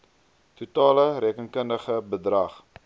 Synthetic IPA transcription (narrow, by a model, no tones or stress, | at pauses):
tutɑːləɾɛːkənkəndəχəbədrɐχ